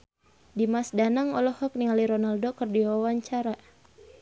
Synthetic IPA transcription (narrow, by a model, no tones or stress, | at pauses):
dimasdanaŋɔlɔhɔk̚niŋaliɾɔnaldokərdiwawaɲt͡ʃaɾa